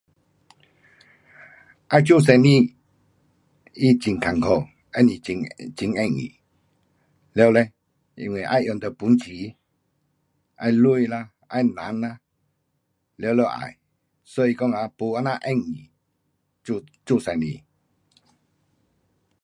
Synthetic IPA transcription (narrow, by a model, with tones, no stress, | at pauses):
ʔa˧˦jt͡ɕu˥˨s̬a˧nĩ˥˧˨ | i˦˨t͡ɕi˨ŋkʰa˨˩ŋkʰo˧˨ | ɛ˦˨ni˨i˧ŋt͡ɕi˧˨ŋɛ˧˨ŋḭ˨ | ljle˧ | ḭ˧˨ŋwi˨ʔa̰˧jʔjɔ˨˩ŋt̪ə˨pu˨˦nt͡ɕʰi˨˦ | ʔa̰˧jlu˥˧˨jla˧ | a̰˧jnã˨˦na˧ | le˧˦˨le˧˦˨ʔa̰˨j | sɔ˧˦i˧kɔ˥˧˨ŋa˧pu˧a˦˧˨na˧ʔɛ˥˧˨ŋi˨ | u˧t͡ɕu˥˧˨sa˧˨nḭ̃˧˨